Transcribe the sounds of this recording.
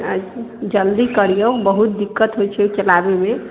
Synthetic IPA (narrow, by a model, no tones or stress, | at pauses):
ad͡ʒd͡ʒəld̪ikəɾijəwbəɦut̪̚d̪ikːət̪ɦojt͡ʃʰɛt͡ʃəlabeme